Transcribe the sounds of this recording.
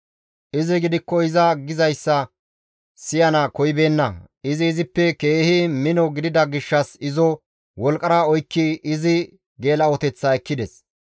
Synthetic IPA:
ʔɪzɪɡɪd̪ɪkːɔɪzɐɡɪzɐjsːɐ | sɪjɐnɐkɔjbe̞ːnːɐ | ɪzɪːzɪpːɛke̞ːhɪmɪnɔɡɪd̪ɪd̪ɐɡɪʃːɐsɪzɔ | wɔlkʼɐɾaɔjkːɪːzɪ | ɡe̞ːlɐɔt̪ɛt͡sːɐɛkːɪd̪ɛs

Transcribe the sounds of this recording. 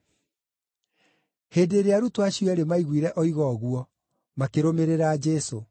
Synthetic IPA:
heːdeːɾeaɾutoaɕijɔɛɾemaiɣwiɾɛʔɔiɣɔɣuɔ | makeɾomeɾeɾad͡ʒɛso

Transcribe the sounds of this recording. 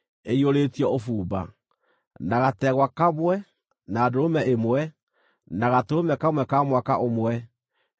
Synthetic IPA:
eioɾeːtiɔofuːba̰ | naɣatɛɣwakamwɛ | naːdoomɛʔemwɛ | naɣatoomɛkamwɛkamwakaʔomwɛ

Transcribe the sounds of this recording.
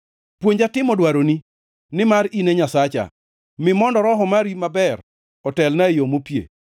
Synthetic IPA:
pwoɲd͡ʒatɪmɔdwaɾoni | nɪmaɾineɲasat͡ʃa̰ | mɪmɔndɔɾɔɦɔmaɾimabɛr | ɔtɛlnaejomopjḛ

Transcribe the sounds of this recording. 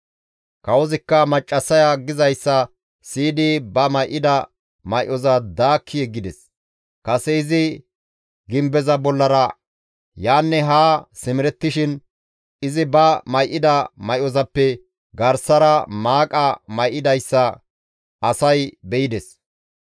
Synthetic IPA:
kɐwɔzɪkːɐmɐt͡ʃʼːɐsɐjaɡɪzɐjsːɐ | siːd̪ibɐmɐjʔɪd̪ɐ | mɐjʔɔzɐd̪aːkʰːɪjɛɡːɪd̪ɛs | kɐsɛɪzɪ | ɡɪmbɛzɐbɔlːɐɾɐ | jaːnːɛɦaːsɪmɪɾɛt̪ːɪʃɪn | ɪzɪbɐmɐjʔɪd̪ɐmɐjʔɔzɐpːɛ | ɡɐɾsɐɾɐmaːkʼɐmɐjʔɪd̪ɐjsːɐ | ɐsɐjbɛjɪd̪ɛs

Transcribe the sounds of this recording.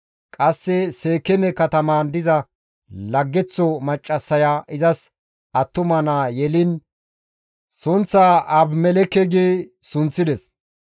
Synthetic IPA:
kʼɐsːɛseːkːɛmɛkɐt̪ɐmand̪ɪzɐ | lɐɡːɛt͡sːɔmɐt͡ʃʼːɐsːɐjaːʔɪzɐs | ʔɐt̪ːʊmɐnajɛlɪn | sʊnt͡sːaːʔɐbmɛlɛkːɛɡesʊnt͡sːɪd̪ɛs

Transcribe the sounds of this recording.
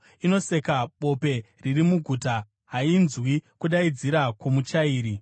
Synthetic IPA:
ino̞se̞kaɓo̞pe̞ | ririmuɡʱuːta | ɦainzwikuɗaid͡ziɾakwomut͡ʃaiːɾi

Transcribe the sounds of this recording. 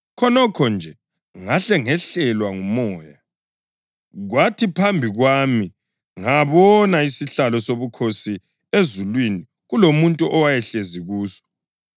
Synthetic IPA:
kʰɔnɔkʰɔnd͡ʒʱɛ | ŋaɬɛŋɛɬɛlwaŋumɔːja | ɣwatʰipʰambʱiɣwami | ŋaβɔnaisiɬalɔsoβukʰosi | ezulwini | ɣulomuntʼuʔɔwajɛɬeziɣuːsɔ̥

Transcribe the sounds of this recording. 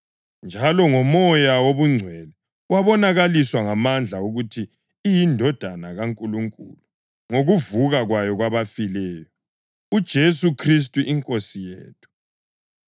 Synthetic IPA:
nd͡ʒʱalɔŋɔmɔjawoβuŋ͡ǀʱwɛlɛ | waβɔnaɣaliswaŋamand͡ɮʱauɣutʰiː | jindʱɔd̥ʱanaɣaŋkʼuluŋkʼṵlu | ŋoɣuvuɣaɣwajɔɣwaβafilɛːjɔ | ud̥ʒ̥ʱesukʰris̬tʼuʔiŋkʼosijḛːtʰu̥

